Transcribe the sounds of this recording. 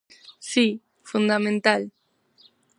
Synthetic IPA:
si | fund̪amẽnt̪al

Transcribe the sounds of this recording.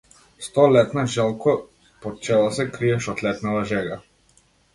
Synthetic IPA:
st̪ɔlɛt̪naʒɛlˠkɔ | pɔt͡ʃɛlˠɔsɛkɾiɛʃɔt̪lɛt̪navaʒɛɡa

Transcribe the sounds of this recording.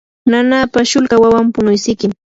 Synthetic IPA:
nanapaʃʊlkawawampʊnʊjsɪkɪm

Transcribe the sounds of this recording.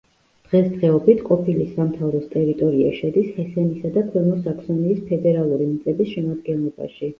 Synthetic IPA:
d̪̥ʁɛsd̪ʁɛɔbit̪ʰqʼɔpʰilisamt̪ʰavɾɔst̪ʼɛɾit̪ʼɔɾia̰ʃɛd̪ishɛsɛnisad̪akʰwɛmɔsakʰsɔniːspʰɛd̪ɛɾalˠuɾimit̪sʼɛbisʃɛmad̪̚ɡɛnlˠɔba̰ʃi

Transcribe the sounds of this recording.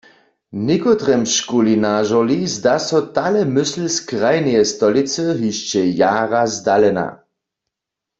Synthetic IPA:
nikɔt̪ʁɛmʃkulinaʒɔlizd̪asɔt̪alɛmʏsl̩skʁajnɛjɛst̪ɔlit͡səɦiʃt͡ʃɛjaːʁazd̪alɛna̰

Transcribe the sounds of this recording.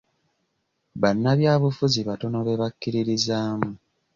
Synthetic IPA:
βanːaβjaːβufuziβato̞no̞βe̞βakːiɾiɾizaːmu

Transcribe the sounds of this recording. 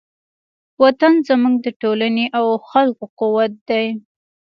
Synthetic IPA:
wat̪anzəmuɡd̪əʈolaneʔawxalkoqʊwat̪̚d̪aj

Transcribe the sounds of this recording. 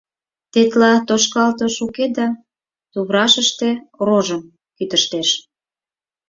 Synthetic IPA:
t̪et̪lɑt̪oʃkɑlt̪oʃuked̪ɑ | t̪uβɾɑʃəʃt̪e̽ɾoʒəm | kyt̪əʃt̪eʃ

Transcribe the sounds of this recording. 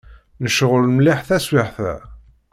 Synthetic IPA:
nəʃʁəlmliħθæswɪħθæ̰

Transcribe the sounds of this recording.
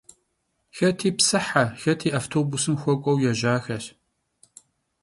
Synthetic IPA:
xɐtʰiːpsɨħaxɐtʰiːʔaːftʰoːbusɨmxʷɔkʷʼɔwjɛʒaːxɐɬ

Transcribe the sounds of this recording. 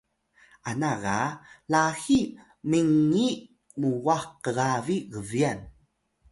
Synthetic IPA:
anaɣalaxi | miŋːi | muwaxqəɣaviɣəvian

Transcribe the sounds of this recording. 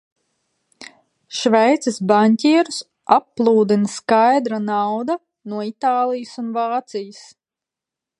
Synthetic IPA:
ʃvɛjt̪sisbanʲt̪ʲiɛɾus | apːlˠuːd̪inɐskajd̪ɾanawd̪a | nuɔit̪aːlˠijəsunvaːt̪sijəs

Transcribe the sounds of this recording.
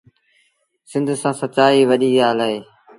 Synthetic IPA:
sɪ̃nd̪ʱsãːsətt͡ʃaːiːʋəɗiːaːlaːɦeː

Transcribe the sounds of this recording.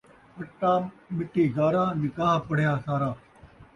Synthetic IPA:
pɐʈːãːmɪʈːiːɡaːɾãːnɪkaːɦpɐɽ̤jãːsaːɾaː

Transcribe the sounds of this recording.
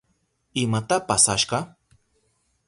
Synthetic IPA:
ɪmat̪apasaʃɢɑ

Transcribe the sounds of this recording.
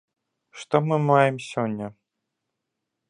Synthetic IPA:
ʂt̪ɔmɨmajɛmsʲɔnʲːɐ

